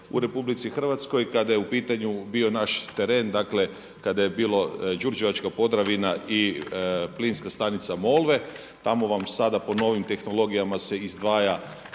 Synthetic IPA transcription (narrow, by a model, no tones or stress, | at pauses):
ṵɾe̞publit̪sixr̩ʋat̪sko̞jkad̪ajeupiːt̪aɲubiːo̞naʃt̪e̞ɾe̞nd̪akle̞ | kad̪ajebiːlo̞d͡ʒuɾd͡ʒeʋat͡ʃkapo̞d̪ɾaʋinaʔi | plinskast̪anit̪samo̞lˠʋe̞ | t̪amo̞ʋamsad̪apo̞no̞ʋimt̪e̞xno̞lˠo̞ɡijamase̞izd̪ʋaːja